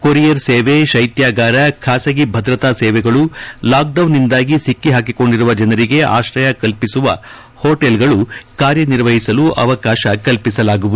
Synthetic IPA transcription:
koɾijɐɾseːʋeʃɐjt̪jaːɡaːɾɐkʰaːsɐɡibʱɐd̪ɾɐt̪aːsɛːʋɛɡɐɭulaːk̚ɖɐwnːind̪aːɡisikːiɦaːk̬iko̞ɳɖiɾuʋɐd͡ʒɐnɐɾiɡe̞ʔa̰ːʃɾɐjɐkɐlpisuʋɐ̰ | hoːʈelɡɐɭukaːɾjɐniɾʋɐɦisɐluʔɐ̰ʋɐkaːʃɐkɐlpisɐlaːɡuʋud̪u

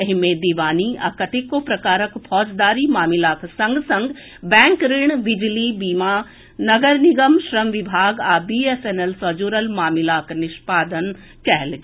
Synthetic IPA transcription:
ɐɦɪmẽd̪iʋaːniɐ̰kəʈʰikːopɾɐkaːɾəkpʰɔːd͡ʒd̪aːɾimaːmɪlaːksɐ̃ŋɡsɐ̃ŋɡ | bɛ̃ːŋkɾɪɳ̃ʋɪd͡ʒlibiːma | nɐɡəɾnɪɡəmʃɾəmʋɪbʱaːɡaːbiːeseːnelsɐd͡ʒoːɾəlmaːmɪlaːknɪʃpaːd̪ən | kɛɦlɡ

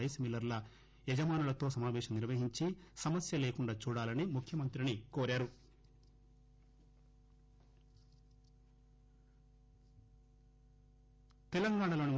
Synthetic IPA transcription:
ɐjsmilːɐɾlɐ | ɛd͡ʒɐmaːnulɐt̪oːsɐmaːʋɛːʂɐmniɾʋɐɦiɲt͡ʃisɐmɐsjɐle̞ːkuɳɖaːt͡ʃuːɽaːlɐnimukʰjɐmɐnt̪ɾinikoːɾaːɾu | t̪ɛlɐŋɡaːɳɐlo̞ːni

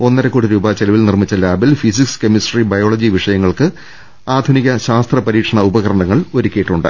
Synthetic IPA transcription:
o̞nːɐɾɐkoːɽiɾuːbɐt͡ɕelɐʋilnirmit͡ɕːɐlaːbilfisikskemisribɐjoːɭɐd͡ʑiʋiʂɐjɐŋːɐɭkɨ | aːd̪ʱuniɣɐɕaːst̪rɐpɐɾiːkʂɐɳɐubɐɣɐɾɐɳɐŋːɐɭo̞ɾukʲːejiʈːuɳɖɨ̰

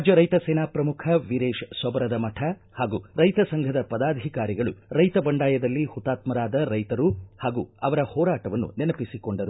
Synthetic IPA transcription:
d͡ʒjɐɾɐjt̪ɐseːnaːpɾɐmukʰɐʋiɾeːʃsɐbɐɾɐd̪ɐmɐʈʰɐ | haːɡuːɾɐjt̪ɐsɐŋɡʱɐd̪ɐpɐd̪aːd̪ʱikaːɾiɡɐɭṵɾɐjt̪ɐbɐɳɖaːjɐd̪ɐlːihut̪ːaːt̪mɐɾaːd̪ɐɾɐjt̪ɐɾuhaːɡuːɐʋɐɾɐhɔːɾaːʈɐʋɐnːṵnɛnɐpisikoɳɖɐɾu

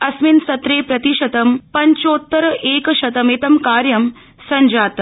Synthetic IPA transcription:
ɐsminsɐt̪ɾeːpɾɐt̪iʃɐt̪ɐmpɐɲt͡ʃoːt̪ːɐɾɐʔeːkɐʃɐt̪ɐmeːt̪ɐmkaːɾjɐm | sɐɲd͡ʒaːt̪

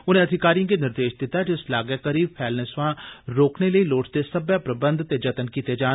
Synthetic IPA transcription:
ʊnẽːəd̪ʱɪkaːɾijãːkeːnɪɾd̪eːʃd̪ɪt̪ːaːd͡ʒɪslaːɡəkəɾiːpʰɛːlnəsʋãːɾoːkneləiːloːʈt̪esəbjaːpɾəbənd̪t̪eːd͡ʒət̪ənkiːt̪eːd͡ʒaː

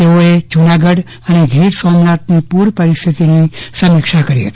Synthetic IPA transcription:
t̪eoed͡ʒunaɡəɽ | əneɡʱiːʈsɔmnat̪̚nipuɾpəɾɪst̪ʰit̪inisəmikʃakəɾiɦə̰t̪i̥

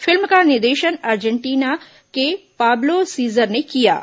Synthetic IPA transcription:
fʰɪlmkanɪd̪eːʃənaːɾd͡ʒəɳʈiːna | kepaːblosiːzəɾnekija̰ː

